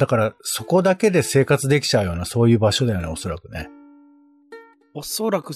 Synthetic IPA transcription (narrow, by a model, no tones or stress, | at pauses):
d̪̥akaɾaso̞ko̞d̪ake̞d̪e̞se̞ːkat͡sɨd̪e̞kʲi̥t͡ɕaɯ̟jo̞ːnaso̞ːjɯ̟ːbaɕo̞d̪ajo̞ːnao̞so̞ɾakɯ̟ne̞̰ | osoɾakɯ̟